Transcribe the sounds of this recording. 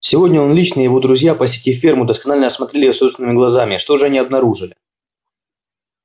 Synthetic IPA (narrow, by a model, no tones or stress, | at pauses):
sʲɪvo̞dʲnʲəo̞nlʲit͡ɕnɨjjɪvo̞d̪ɾʊzʲjapəsʲɪtʲifʲːermʊd̪əskɐnalʲnəɐsmɐt̪ɾʲelʲɪjosost̪vɪnɨmʲɪɡlˠɐzamʲɪʂt̪oʐɨɐnʲiɐbnɐɾuʐɨlʲɪ